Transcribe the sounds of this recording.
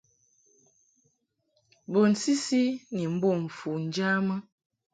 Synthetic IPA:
bo˨n̩˨si˦si˦ni˨m̩˦bo˦˨ɱ̩˨fu˨n̩˨d͡ʒa˦mə˦

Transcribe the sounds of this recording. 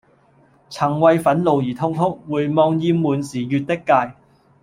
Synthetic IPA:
t͡sʰɐ˨˩ŋwɐ˧jfɐ˨˥nlo˨wjiː˨˩t̪ʰʊ˥ŋt̪ʰʊ˥k̚wuː˨˧jmɔː˧ŋjiː˧mːuː˨˩nsiː˨˩jyː˧t̚t̪ɪ˥kːaː˧j

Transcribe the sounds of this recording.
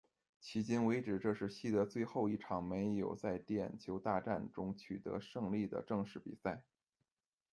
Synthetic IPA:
t͡ɕʰi˧˥t͡ɕi˥nwe˧˥ɪʈ͡ʂɻ̩˨˩ʈ͡ʂɤ˥˧ʂɻ̩˥˩ɕi˥t̪ɤ˧˥t͡swe˥˧ɪxo˥˧ʊi˥˩ʈ͡ʂʰɑ˨˩ŋme˧˥ɪjo˨˩ʊt͡sa˥˩ɪt̪jɛ̰˨˩nt͡ɕʰjo˧˥ʊt̪a˥˧ʈ͡ʂa˥˩nʈ͡ʂʊ˥ŋt͡ɕʰy˨˩t̪ɤ̰˧˥ʂɤ˥˧ŋli˥˩d̪ə̰˩ʈ͡ʂɤ˥˧ŋʂɻ̩˥˩pḭ˨˩sa˥˩ɪ

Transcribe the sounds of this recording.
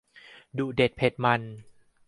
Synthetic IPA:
duː˨˩de˨˩t̪̚pʰe˨˩t̪̚ma˧n

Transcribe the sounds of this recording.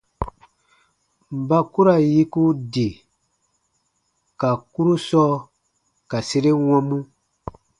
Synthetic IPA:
m̩˨ba˦ku˦ɾa˨ji˦ku˦de˨ | ka˨ku˦ɾu˦sɔː˦ | ka˨se˦ɾe˦wɔ̃˦mũ˦

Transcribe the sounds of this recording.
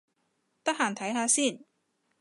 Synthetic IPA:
t̪ɐ˥k̚haː˨˩nt̪ʰɐ˨˥jɦaː˨˧siː˥˩n

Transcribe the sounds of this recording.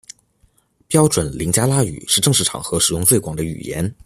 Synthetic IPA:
pjɑ˥ʊʈ͡ʂwə˨˩nli˧˥ŋt͡ɕja˥la˥y̰˨˩ʂɻ̩˥˧ʈ͡ʂɤ˥˧ŋʂɻ̩˥˩ʈ͡ʂʰɑ̰˨˩˦ŋxɤ˧˥ʂɻ̩˨˩jʊ˥˧ŋt͡swe˥˩ɪkwɑ̰˨˩ŋd̪ə˦y̰˨˩jɛ̰˧˥n

